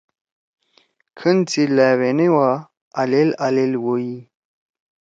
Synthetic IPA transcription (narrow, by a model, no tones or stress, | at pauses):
kʰənt͡silawenewa | alelalelwoji